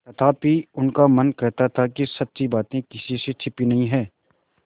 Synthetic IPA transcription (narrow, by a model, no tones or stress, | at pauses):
t̪ɐt̪ʰaːpiʊnkamɐnkɛɦt̪at̪ʰakisɐtːt͡ʃibaːt̪ẽkɪsiset͡ʃʰɪpinɐɦĩɦɛ̃ː